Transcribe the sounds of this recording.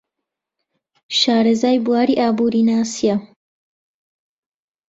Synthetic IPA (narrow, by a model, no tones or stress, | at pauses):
ʃaːɾɐzaːjbuwaːɾiːʔaːbuːɾiːnaːsija